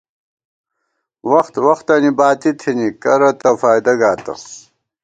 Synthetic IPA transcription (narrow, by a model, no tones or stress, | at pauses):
wɐxt̪wɐxt̪ɐnibaːt̪it̪ʰinikɐɾɐt̪ɐfaːjd̪ɐɡaːt̪ɐ̰